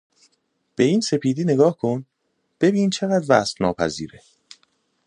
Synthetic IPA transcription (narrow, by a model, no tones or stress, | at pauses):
b̥e̞iːnse̞pʰiːd̪iːne̞ɡɒːhkʰo̞n | b̥e̞biːnt͡ʃʰe̞ɣæd̪væsfnɒːpʰæ̰zḭːɾe